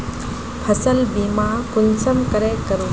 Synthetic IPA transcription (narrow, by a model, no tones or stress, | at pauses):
pʰəsəlbiːmakʊlsəmkəɾekəɾoː